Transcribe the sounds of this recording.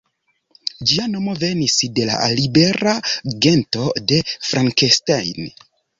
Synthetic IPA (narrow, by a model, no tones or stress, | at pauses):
d͡ʒiano̞mo̞ve̞nisde̞la̰libe̞ɾaɡe̞nto̞de̞fɾʔaŋkestajn